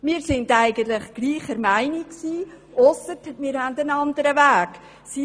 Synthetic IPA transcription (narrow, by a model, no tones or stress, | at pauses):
mɪːɾsɪndæɪɡ̥ənt̪lɪχɡ̥liːχəɾmæɪnikksiː | ʔɔsətmɪːɾhændənɑndəɾəvæːɡ̥ | si